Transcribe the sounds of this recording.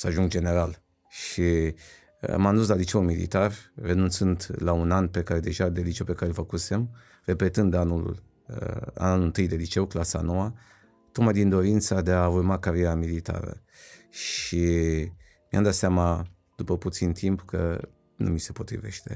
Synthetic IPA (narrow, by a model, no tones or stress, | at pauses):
səaʒuŋɡd͡ʒe̞ne̞ɾal | ʃi | manuns̬lalit͡ʃeumilḭt̪arre̞nunt̪sɨnd̪launanpe̞kaɾed̪e̞ʒad̪elit͡ʃewpe̞kaɾe̞lfəkuse̞m | re̞pe̞t̪ɨnd̪anṵl | a̰nanɨnt̪ɨjd̪e̞lit͡ʃe̞wklasa̰no̞wa | t̪o̞kmajd̪ind̪o̞ɾint̪sad̪e̞aurmakaɾije̞ɾamilit̪a̰ɾə̰ | ʃi | mia̰md̪at̪seama | d̪̥upəput̪sint̪ʰimpkə | nṵmise̞po̞t̪ɾḭve̞̰ʃt̪e̞̰